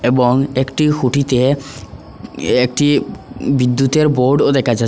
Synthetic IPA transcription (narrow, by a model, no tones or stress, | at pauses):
eboŋekʈixuʈit̪e | ekʈibid̪ːut̪eɾboɾɖod̪ɛkʰad͡ʑa